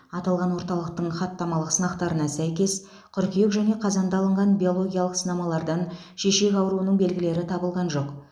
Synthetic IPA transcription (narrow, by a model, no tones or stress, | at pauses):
ɑt̪ɑlˠʁɑnwo̞ɾt̪ɑlˠəq̚t̪əɴχɑt̪ːɑmɑlˠəqsənɑqt̪ɑɾənɑsæjkʲe̞s | qʲʰʏɾkʲijekʒæne̞qʰɑzɑnd̪ɑlˠəɴʁɑnbʲijo̞lˠo̞ɡʲijalˠəqsənɑmɑlˠɑɾd̪ɑn | ʃe̞ʃe̞kʲɑwɾuənəɴbe̞lɡʲɪle̞ɾɪt̪ʰɑbəlˠʁɑnʒo̞q